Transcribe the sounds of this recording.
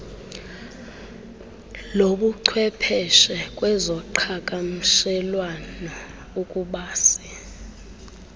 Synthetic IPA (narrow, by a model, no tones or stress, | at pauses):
loɓuǀʰwɛpʰɛʃɛkʼwɛzɔǃʰakʼam̩ʃɛlwana | ukʼuɓaːsi̥